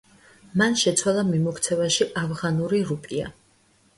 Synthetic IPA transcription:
manʃɛt̪sʰwalˠamimɔkʰt̪sʰɛvaʃiʔavʁanuɾiɾupʼia̰

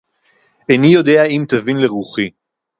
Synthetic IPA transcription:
enijo̞d̪e̞aimt̪avinleʁuχi

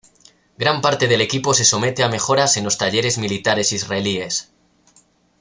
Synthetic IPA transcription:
ɡɾampaɾt̪eð̞e̞le̞kipo̞se̞so̞me̞t̪e̞ame̞xo̞ɾase̞nlo̞st̪aʎeɾe̞zmilit̪aɾe̞sizraelie̞s

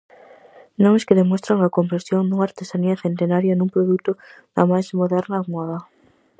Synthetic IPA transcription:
nõŋeskeðemost̪ɾaŋakompɾesjond̪uŋaɾt̪esaniaθent̪enaɾjanumpɾoðut̪o | ða̰majzmoðɛɾnamaða

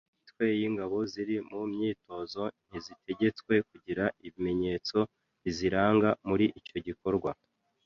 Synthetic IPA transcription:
itwe̞jiːŋɡaβo̞ziɾimumɲiːto̞zo̞n̥izitʰe̞ɟe̞t͡swe̞k̚uɟiɾaiβime̞ɲe̞ːt͡so̞ | βiziɾaːŋɡamuɾiʔico̞ɟiko̞ɾɡwa

